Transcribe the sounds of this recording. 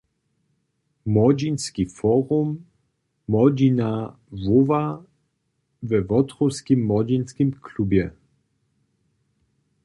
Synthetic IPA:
mɔd͡ʑinskifɔʁumː | ɔd͡ʑina | vova | vɛvɔtʁɔskimːɔd͡ʑinskimklubjɛ

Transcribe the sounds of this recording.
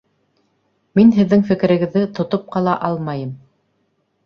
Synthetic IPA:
minɦɘ̆ðːɘŋfɘ̆kɘ̆ɾɘ̆ɡɘ̆ðːɘt̪ŏt̪op̚qɑlˠɑʔɑlˠmɑjɤm

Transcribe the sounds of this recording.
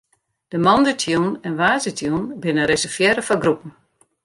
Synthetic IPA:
d̥əmɔndətʰjunɛnʋaːzətʰjunbɪnəɾesərfjɛɾəfɔɡrupən̩

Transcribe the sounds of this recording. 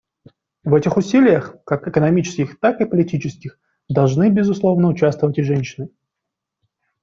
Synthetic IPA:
vɛtʲɪxʊsʲilʲɪjəxkakɪkənɐmʲit͡ɕɪ̥skʲɪxt̪akɨpəlʲɪtʲit͡ɕɪskʲɪx | d̪ɐlˠʐnɨbʲɪzʊslˠo̞vnəʊt͡ɕast̪vəvətʲɪʐɛnʲɕːɪnɨ

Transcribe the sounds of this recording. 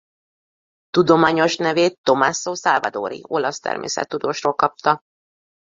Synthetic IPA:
t̪ud̪o̞maːɲo̞ʃnɛveːt̪ːo̞maːsoːsalvɒd̪o̰ːɾḭo̞lɒst̪ɛ̰rmḛːsɛ̰t̪ːud̪oːʃroːlkɒp̚t̪ɒ

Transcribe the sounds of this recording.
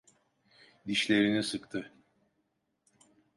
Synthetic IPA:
d̪iʃlʲe̞ɾinisɯkt̪ʰɯ

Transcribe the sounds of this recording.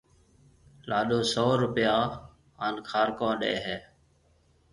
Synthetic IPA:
laːɗoːsoːɾʊpjaː | aːnkʰaːɾkõːɗḛːɦeː

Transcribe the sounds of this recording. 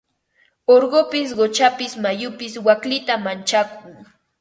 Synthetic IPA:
oɾɢopɪs̬ɢot͡ʃapɪsmajʊpɪswaklɪt̪amant͡ʃakʰuŋ

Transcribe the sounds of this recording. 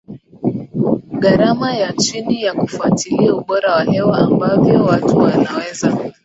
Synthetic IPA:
ɡaɾamajat͡ʃinijakufatiliauɓɔɾawahɛwɔambavjɔwatuwanawɛza

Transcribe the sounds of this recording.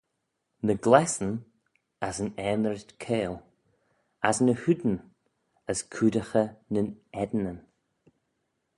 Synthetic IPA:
nəɡlɛsən | asənɛmɾətkʰeːlˠ | asnəhud̪ən̩ | əskʰudəxənənɛd̪nən

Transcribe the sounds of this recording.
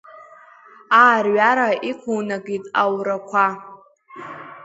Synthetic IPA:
aːrɥaɾaikʷʰuwnaɡitʼa̰wrakʷʰa

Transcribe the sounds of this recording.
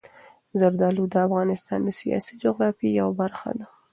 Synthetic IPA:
zaɾd̪ɑlud̪əafɣɑnɪst̪ɑ̰nd̪əsijɑ̰sid͡ʒʊɣɾɑfijawabaɾxa̰d̪a

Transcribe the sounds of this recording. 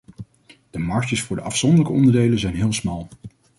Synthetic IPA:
d̥əmɑɹʃəsfʊːɹdəʔɑfsɔndəɹləkəɔndəɹdejlənzɛjnɦɪːlˠsmɑlˠ

